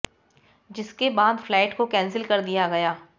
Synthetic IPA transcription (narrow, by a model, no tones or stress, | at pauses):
d͡ʒɪskebaːd̪flɛːɪʈkokɛ̃ːnsɪlkɐɾd̪ijaɡɐjaː